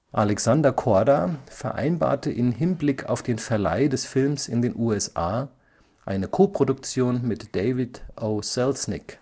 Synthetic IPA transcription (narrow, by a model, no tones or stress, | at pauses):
ʔalɛksandɐkʰɔɐdafɛɐʔa̰ɪnba̰ːɐtəʔɪmɦɪnblɪkʰa̰ʊfd̥eːnfɛɐla̰ɪdɛsfɪlmsɪ̰ndeːnʔuːɛsʔaː | ʔaɪnəkʰoːpʁ̥odʊk̚t͡sjoːnmɪtd̥eɪvɪtʔosɛlsnɪk